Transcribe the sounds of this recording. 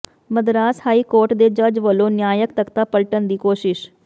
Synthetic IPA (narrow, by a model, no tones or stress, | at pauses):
məd̪ɾaːshaːikoːɾʈd̪ed͡ʒəd͡ʒʋəlonjaːjəkt̪əkt̪apəlʈənd̪iːkoːʃɪʃ